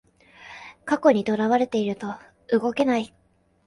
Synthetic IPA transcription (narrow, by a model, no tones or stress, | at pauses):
kako̞ɲ̟it̪o̞ɾaβ̞aɾe̞t̪eiɾɯ̟t̪o̞ | ɯɡo̞ke̞nai